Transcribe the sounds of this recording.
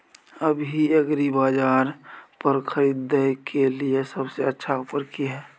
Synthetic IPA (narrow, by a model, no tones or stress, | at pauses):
əbʱiɐɡɾibaːd͡ʒaːɾpəɾkʰəɾiːd̪əkʰeliesəbseətːʃʰaupəɾkiɦɛː